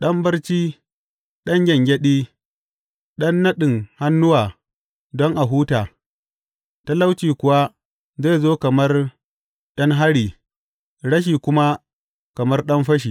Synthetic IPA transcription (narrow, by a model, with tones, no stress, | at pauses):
ɗɐ˦mbɐ˦rt͡ʃiː˦ | ɗɐ˦ŋɡʲɛ˨ŋɡʲɛ˦ɗiː˦ | ɗɐ˦nːɐ˦ɗɪ˨ŋha˦nːʊ˦waː˨ | dɔ˦ŋʔa˨ɦuː˦taː˨ | ta˦la˦wt͡ʃiː˨kʷʊ˨wa˦ | zeː˦˨zoː˦kɐ˨mɐ˦r | ɗɐ˦ŋɦa˦ɽiː˨ | ɽɐ˦ʃ̬iː˨kʷʊ˦ma˦ | kɐ˨mɐ˦rɗɐ˦mɸɐ˦ʃ̬iː˨